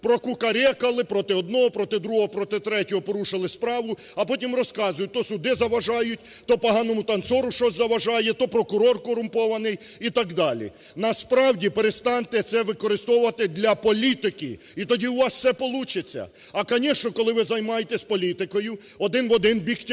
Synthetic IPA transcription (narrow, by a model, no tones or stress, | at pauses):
pɾɔkʊkɐɾʲɛkɐlˠɪpɾɔt̪ɪɔd̪nɔɦɔpɾɔt̪ɪd̪ɾuɦɔɦɔpɾɔt̪ɪt̪ɾɛtʲɔɦɔpɔɾuʃɪlˠɪspɾɑʋʊ | ɐpɔtʲimrɔskɑzʊjʊt̪ɔsʊd̪ɪzɐʋɐʒɑjʊtʲt̪ɔpɔɦɑnɔmʊt̪ɐnt̪sɔɾʊʃt͡ʃɔsʲzɐʋɐʒɑjɛt̪ɔpɾɔkʊɾɔrkɔɾʊmpɔʋɐnɪjit̪ɑkd̪ɑlʲḭ | nɐspɾɑwdʲipeɾest̪ɑnt̪ɛt̪sɛʋɪkɔɾɪst̪ɔwʊʋɐt̪ɪd̪lʲɐpɔlʲit̪ɪkɪ | it̪ɔdʲiuʋɑssɛpɔlˠut͡ʃɪt͡sʲːɐ̰ | ɐkɔnʲiʃnɔkɔlˠɪʋɪzɐjmɑjet̪ɛsʲpɔlʲit̪ɪkɔjʊ | ɔd̪ɪnʋɔd̪ɪnbʲiktʲ